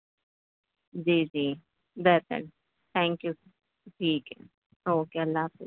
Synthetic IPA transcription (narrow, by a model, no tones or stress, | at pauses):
d͡ʒiːd͡ʒiː | bɛt̪ə̰n | t̪ʰɛ̃ːŋkju | ʈʰiːk | oːkeɐlːaːse